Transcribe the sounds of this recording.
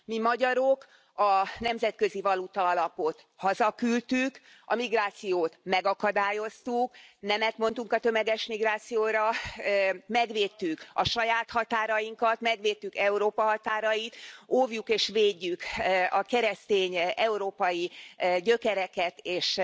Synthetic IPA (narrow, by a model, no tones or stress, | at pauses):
mimɒɟɒɾo̞k | ɒnɛmzɛt̪kø̞zivɒlut̪ɒɒlɒpo̞t̪ | hɒzɒkylt̪yk | ɒmiɡraːt̪sijoːt̪mɛɡɒkɒd̪aːjo̞st̪uknɛmɛt̪mo̞nt̪uŋkɒt̪ø̞mɛɡɛʃmiɡraːt̪sijoːɾɒ | mɛɡʋeːt̪ːykɒʃɒjaːt̪hɒt̪aːɾɒjiŋkɒt̪mɛɡʋeːt̪ːykɛuɾoːpɒɦɒt̪aːɾɒjit̪ovjukeːʃveːɟːykɒkɛɾɛst̪eːɲɛuɾoːpɒjiɟøkɛɾɛkɛt̪eːʃ